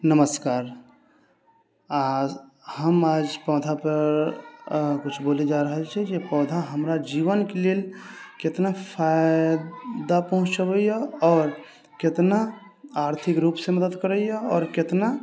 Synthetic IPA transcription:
nəməskaːɾ | a | həmaːd͡ʒpɔːd̪ʱapəɾɾ | kʊt͡ʃʰboːled͡ʒaːɾəɦɛt͡ʃʰɛd͡ʒepɔːd̪ʱaɦəmɾad͡ʒiːʋənkeleːlkɪt̪napʰaɪ | d̪apəɦʊ̃t͡ʃt͡ʃəʋəijaɔːɾ | kɪt̪na | aːɾt̪ʰɪkɾuːpseməd̪əd̪kəɾəijaɔːɾkɪt̪na

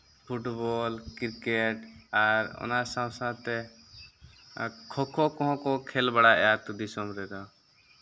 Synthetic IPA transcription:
pʰuʈbɔlkiɾkɛʈaɾɔ̰nasãwsãt̪ɛ | kʰɔkʰɔkɔɦɔ̃kɔkʰɛlbaɽaʔɛjat̪ud̪isɔmɾɛd̪ɔ

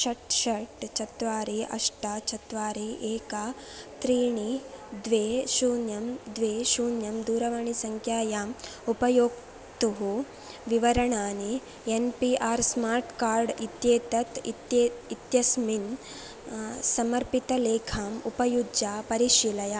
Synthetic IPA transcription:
ʃɐʈʃɐʈt͡ʃɐt̪ʋaːɾiɐ̰ʂʈat͡ʃɐt̪ʋaːɾieːka | t̪ɾiːɳid̪ʋeːʃuːnjɐmd̪ʋeːʃuːnjɐmd̪uːɾɐʋɐɳisɐŋkʰjaːjaːmupɐjoːk̚ | t̪uɦu | ʋiʋɐɾɐɳaːni | enpiʔaːɾsmaːɾʈkaːɾɖit̪jeːt̪ɐt̪it̪jeit̪jɐsmin | sɐmɐɾpit̪ɐleːkʰaːmupɐjud͡ʒaːpɐɾiʃilɐja

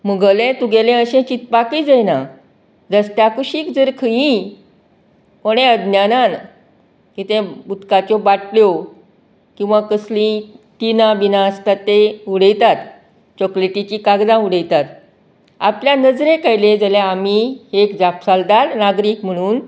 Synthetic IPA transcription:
məɡəlẽt̪uɡelẽəɕẽt͡ɕit̪pakid͡zejna | d͡zəst̪jakuɕiːkd͡zəɾkʰəjĩ | moɽ̃ẽəd̪njanan | kit̪ẽbut̪kat͡ɕɔbaʈljɔ | kĩw̃ʋakəslĩʈinabinaəst̪at̪ːeuɽəjt̪at̪ | t͡ɕɔkleʈit͡ɕikaɡd̪ãuɽəjt̪at̪ | a̰pljanəd͡zɾekajlẽd͡zəleamiekd͡zapsald̪aɾnaɡɾiːkm̤əɽ̃uːn

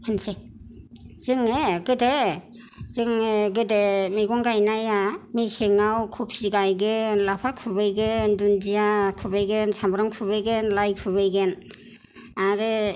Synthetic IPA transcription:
hɯnse | z̥ɯŋeɡɯde | zɯŋɡɯdemiɡɔŋɡajnajamiseŋawkʰup̚siɡajɡɯnlapʰakʰubɯjɡendundijakʰubɯjɡensambɾɔŋkʰubɯjɡenlajkʰuβɯjɡen | aɾɯ

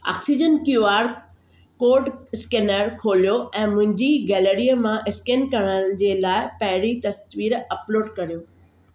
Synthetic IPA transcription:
a̰ːksid͡ʑənkjuaːɾ | koːɾɖskeːnəɾkʰoːlijoɛ̃ːmʊ̃ɦɪ̃ɲd͡ʑiɡɛːleɾijəmãʔɪskeːnkɐɽ̃əd͡ʑeːlaːɪpɐɦɪɾit̪ɐsʋiːɾɐploːɖkɐɾijoː

